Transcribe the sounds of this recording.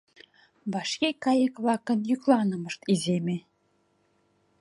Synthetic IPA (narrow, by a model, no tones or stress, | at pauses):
βɑʃkekɑjə̆kβlɑkə̆njyklˠɑnɤ̆mɤ̆ʃt̪izemʲĕ